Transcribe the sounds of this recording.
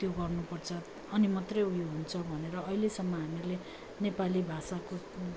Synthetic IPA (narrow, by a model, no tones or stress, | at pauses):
t̪joɡʌrnupʌrt͡sʰʌ | ʌnimat̪rʌjɦujuɦunt͡sʰʌbʱʌneɾʌʌilesʌmːʌɦamile | nepalibʱasako